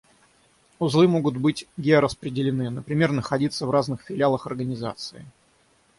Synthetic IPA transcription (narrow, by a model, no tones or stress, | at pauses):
ʊzlˠɨmo̞ɡʊt̪bɨtʲɡʲeɾəspɾʲɪdʲɪlʲɪnɨnəpɾʲɪmʲe̞rnəxɐdʲit̪səvraznɨxfʲɪlʲɪalˠəxɐrɡənʲɪza̰t̪sɨɪ